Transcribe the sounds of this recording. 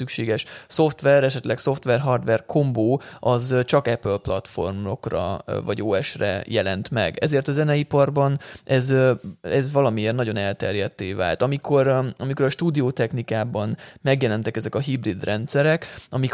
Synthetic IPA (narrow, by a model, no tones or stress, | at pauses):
ykʃeːɡɛʃso̞ft̪ʋɛɾɛʃɛt̪lɛkso̞ft̪ʋɛrɦɒrd̪ʋɛrkʰo̞mboːɒzt͡ʃɒkɛpølplɒt̪fo̞̰rmo̰krɒ̰vɒɟoːɛʃrɛ̰jɛlɛ̰nt̪mɛ̰ɡɛ̰zeːrt̪ɒzɛnɛipɒrbɒnʔɛzɛzvɒlɒmieːrnɒɟo̞nɛlt̪ɛrjɛt̪ːeːva̰ːlt̪ɒmikʰo̞ɾɒmiko̞ɾɒʃt̪uːd̪ioːt̪ɛknikaːbɒnmɛɡjɛlɛnt̪ɛkɛzɛkɒɦibrid̪rɛnt̪sɛɾɛkɒmik